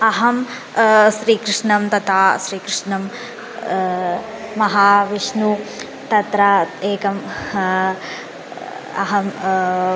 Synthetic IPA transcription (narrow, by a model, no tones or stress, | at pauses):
ɐɦɐm | ʃɾiːkɾɪʂɳɐmt̪ɐt̪ʰaːʃɾiːkɾɪʂɳɐm | mɐɦaːʋiʂnu | t̪ɐt̪ɾaeːkɐm | ɐ̰ɦɐm